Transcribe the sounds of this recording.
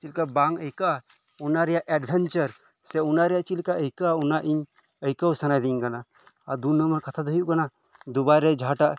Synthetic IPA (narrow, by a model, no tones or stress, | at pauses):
t͡ʃilkabaŋəjkaʔ | unaɾɛjaʔɛɖbʱɛnt͡ʃəɾ | sɛunaɾɛjaʔt͡ʃilkaʔəjkaunaʔiɲ | əjkəwsanajd̪iɲkana | ad̪unːəməɾkat̪ʰad̪ʱujuʔkana | d̪ubajɾɛd͡ʒʱaʈaʔ